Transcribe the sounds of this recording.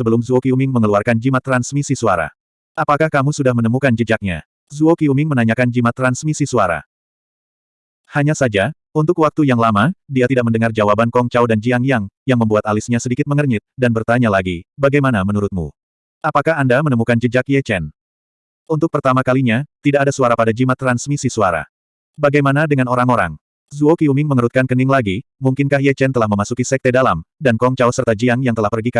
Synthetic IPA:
səbəlʊmzuokiumɪŋməŋəluarkand͡ʒimat̪ɾansmisisuaɾa̰ | ʔapakahkamusudahmənəmukand͡ʒəd͡ʒak̚ɲa̰ | zuokiumɪŋmənaɲakand͡ʒimat̪ɾansmisisuaɾa̰ | haɲasad͡ʒa | unt̪ʊkwak̚t̪ujaŋlamadiat̪idak̚məndəŋard͡ʒawabankɔŋt͡ʃawdand͡ʒiaŋjaŋjaŋməmbuat̪alɪsɲasədikɪt̪̚məŋərɲɪt̪̚danbərt̪aɲalaɡibaɡajmanamənuɾʊt̪̚mṵ | ʔapakahandamənəmukand͡ʒəd͡ʒakjɛt͡ʃɛn | unt̪ʊk̚pərt̪amakaliɲat̪idakadasuaɾapadad͡ʒimat̪ːɾansmisisuaɾa̰ | baɡajmanadəŋanoɾaŋoɾa̰ŋ | zuokiumɪŋməŋəɾut̪̚kankənɪŋlaɡi | muŋkɪnkahjɛt͡ʃɛnt̪əlahməmasukisɛk̚t̪edalamdankɔŋt͡ʃawsərt̪ad͡ʒiaŋjaŋt̪əlahpərɡika

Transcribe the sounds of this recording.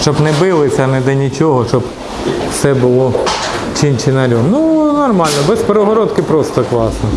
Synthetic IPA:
t͡ʃɔbnɛbɪlˠɪsʲɐɐnɛd̪ɛnʲit͡ʃʲɔɦɔʃt͡ʃɔb | wsɛbʊlˠɔ | t͡ʃʲinʲt͡ʃɪnɐɾʲɔnunɔrmɑlʲnɔbɛsʲpeɾɔɦɔɾɔt̪kɪpɾɔst̪ɔklˠɑsnɔ

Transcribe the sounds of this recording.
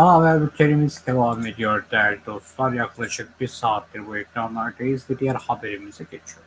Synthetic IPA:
avæbucʰeɾimizd̪evaːme̞d̪ijoɾd̪ælʲid̪o̞st̪lˠaɾjaklˠaʃɯk̚b̥iɾsaːt̪ːiɾbuɛkɾanlˠaɾd̪ejizd̪id̪ijæɾhabeɾimizɛɟet͡ʃʰijoɾ

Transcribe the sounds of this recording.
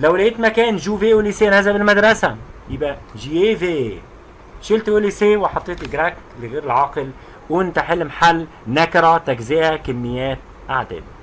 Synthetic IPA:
lawlajɪt̪makæːnʒuːvewliseːnazabɪlmad̪ɾˤɑsajɪbaʒieve | ʃɪlt̪ʊliseːwɪħɑt̪ˤːeːt̪ɡɾak | lɪɣeːɾɪlʕɑːqɪl | wɪnt̪aħɪlːmaħalː | nakɾˤɑt̪akziːhakamːɪjːæːt̪̚ | ʔaʕd̪ɪ̰d

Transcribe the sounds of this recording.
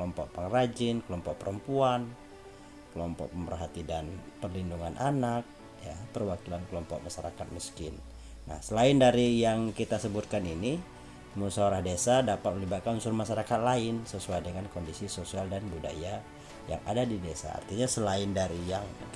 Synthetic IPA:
klɔmpɔʔ̚paŋrad͡ʒɪnkəlɔmpɔʔ̚pəɾəmpuan | kəlɔmpɔ̰k̚pəmbərɦat̪idanpərlinduŋanʔanak̚ | japərwakilankəlɔmpɔ̰k̚maʃaɾa̰kat̪̚miskɪnː | a̰hsəlaɪndaɾijaŋkit̪asəbut̪̚kanini | musaoɾahdesadapat̪̚məlibat̪̚kanunsʊrmaʃaɾakat̪̚laɪnsəsuajdəŋankɔndisisosialdanbuda̰ja | ja̰ŋa̰dadidesa̰ːrt̪iɲasəlaɪndaɾijaŋ

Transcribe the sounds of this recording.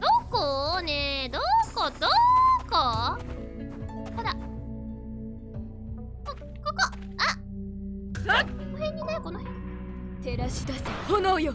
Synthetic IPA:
d̪̥okoned̪okod̪̥oko | kod̪a | ko | koko | a | konohẽ̞ɲ̟ːinekonoɦẽɲ | t̪eɾaɕi̥d̪asehonojo

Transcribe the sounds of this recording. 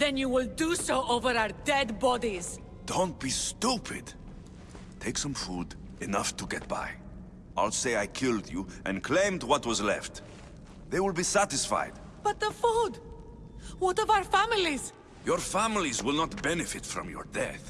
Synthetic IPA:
ðɛ̃njuwɪlˠdusoʊʔoʊvə˞aə˞dɛdbɔdiz̥ | d̥õʊ̃nt̚b̥istupʰɪ̰d | tʰeɪksʌ̃mfud | ɨnʌftʰuɡɛt̚b̥a̰ɪ | ʔaɪlˠseɪaɪkʰɪlˠdjuʔɛ̰̃nkʰl̥ẽɪ̃mdwʌt̚wʌzlɛ̰ft | ðeɪwɪlˠbisæɾɪsfa̰ɪd̚ | b̥ʌt̪̚ðəfud | wɔtɔvaʊə˞fæmɪliz̥ | jɔɹfæmɪlizwɪlˠnət̚b̥ɛnɨfɨtfɹɔ̰̃mjɔ̰ɹdɛ̰θ

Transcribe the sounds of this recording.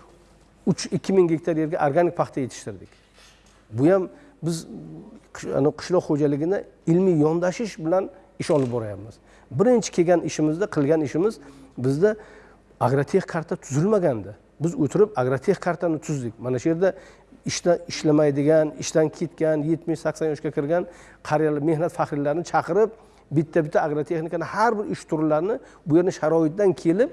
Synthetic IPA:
ʊt͡ʃɪkʲːɪmɪŋɡʲek̚ʲt̪ʰaɾje̞ɾɡʲaʔaɾɡanɪk̚pʰɑχt̪ʰaje̞t̪ʰɪ̥ʃt̪ɪɾd̪ɪkʲ | bʊjam | bɪzʰ | a̰nɪqʰɨ̥ʃlˠɒqχod͡ʒalɪɡʲɪnaɪlmijjɒnd̪aʃɪʃbɪlan | ɪʃɒlˠɪp̚bɒɾajapmɪz̥ | bɪɾɪnt͡ʃʰɪ̥kʰʲe̞ɡʲanɪʃɪmɪzd̪aqʰɨlˠɡʲanɪʃɪmɪzbɪzd̪a | aɡɾat̪ʰe̞χkʰaɾt̪ʰat̪ʰʊzɪlmaɡʲand̪ɪ | bɪzɵt̪ʰɪɾɪpaɡɾat̪ʰe̞χkʰaɾt̪ʰanɪt̪ʰʊzd̪ɪk̚ʲmanaʃʊje̞ɾd̪a | ɪʃd̪aɪʃlamajd̪ɪɡʲanɪʃt̪ankʲʰe̞t̪kʲanje̞t̪mɪʃsakʲsanjɒʃkʲakʲʰɪɾɡʲan | qʰɑɾjalme̞hnat̪faχɾɪlaɾɪnɪt͡ʃʰɑqʰɨɾɪp̚ | bɪt̪ʰːabɪt̪ʰːaːɡɾot̪ʰe̞χnɪkanɪhaɾbɪɾɪʃt̪ʰʊɾlaɾnɪ | ʊje̞ɾnɪʃaɾɒɪt̪̚d̪ankʲʰe̞lɪp̚

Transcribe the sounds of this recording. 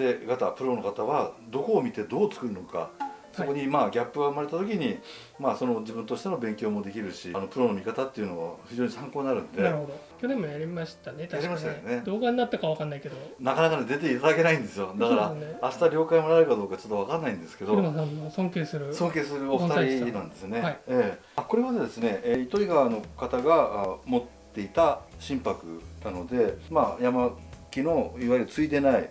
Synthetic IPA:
d̪e̞ɡat̪apɯ̟ɾo̞no̞kat̪aβad̪o̞ko̞ːmʲit̪e̞d̪o̞ːt͡sɨ̥kɯ̟ɾɯno̞ka̰so̞ko̞ɲ̟imaːɡʲapːɯ̟ɡaɯ̟maɾe̞t̪at̪o̞kʲiɲ̟i | maːso̞no̞d͡ʑibɯ̟nt̪o̞ɕi̥t̪eno̞bẽ̞ŋkʲo̞ːmo̞d̪e̞kʲiɾɯ̟ɕiano̞pɯ̟ɾo̞no̞mʲikat̪at̪ːe̞iɯ̟no̞βaçiʑo̞ːɲisãŋko̞ːɲinaɾɯ̟̃nd̪e̞aɾɯhod̪okʲonemːojaɾʲimaɕt̪anet̪jaɾʲimaɕit̪ajned̪o̞ːɡaɲ̟inat̪ːakaβakanːaike̞d̪onakanakaned̪e̞t̪̬e̞it̪ad̪ake̞naĩnd̪e̞sɨjod̪akaɾaeːɕi̥t̪aɾʲo̞ːkaimo̞naɾɯkad̪o̞ːkat͡ɕo̞t̪ːo̞β̞akanːaĩnd̪e̞sɨ̥ke̞d̪oasanosõŋkeːsɨɾɯ̟sõ̞ŋke̞ːsɨɾɯ̟oft̪aɾʲinãnd̪e̞sɨneaieː | ako̞ɾe̞βad̪ed̪e̞sɨne̞eit̪oiɡano̞kat̪aɡamo̞t̪ːe̞it̪aɕĩmpakɯ̟̰nano̞d̪e̞majamakʲino̞iβaiɾɯ̟t͡sɨid̪e̞naḭ

